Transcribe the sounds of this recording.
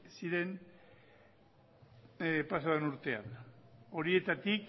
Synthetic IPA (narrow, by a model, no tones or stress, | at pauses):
siɾe̞n | pasaenuɾt̪e̞ano̞ɾie̞t̪at̪ik